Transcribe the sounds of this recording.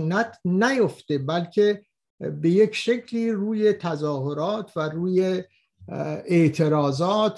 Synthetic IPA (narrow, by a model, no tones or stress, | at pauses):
næt̪næjoft̪ebælkʰe | be̞jecʃecʰliːruːje̞t̪ʰæzɒːhoɾɒːt̪ʰværuːje | eʔt̪ʰe̞ɾɒːzɒːt̪